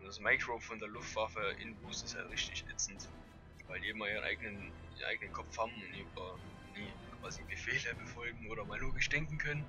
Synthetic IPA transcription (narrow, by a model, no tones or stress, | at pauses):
ʊnd̥asmaɪkʁ̥oʊfɔndeːɐlʊftv̥afəʔɪ̰nbuːsɪstha̰ltʁɪçtɪçʔɛt͡sn̩t | vaɪldiːʔɪmɐiːʁənʔa̰ɪɡənən | iːʁɐnʔa̰ɪɡənənkʰɔfhaːbm̩ʊntd̥iːybɐ | niːkv̥aːziɡəfɛːləbəfɔlɡŋ̩oːɾɐmaːlloːɡɪʃd̥ɛŋkŋ̩kʰœnən